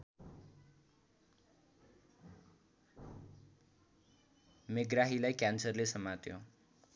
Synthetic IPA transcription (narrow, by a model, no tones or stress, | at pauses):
meɡɾaɦilajkansəɾlesəmat̪jo̰